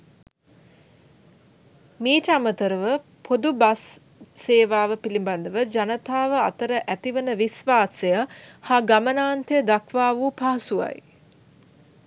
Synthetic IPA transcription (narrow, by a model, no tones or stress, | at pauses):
miːʈəamət̪əɾəʋə | pʰod̪ubasː | eːʋaːʋəpiliband̪əʋəd͡ʒanət̪aːʋəat̪əɾəʔæt̪iʋənəʋisʋaːsejahaɡamənaːnt̪ʰejəd̪akʰʋaːʋupaɦɐsua̰j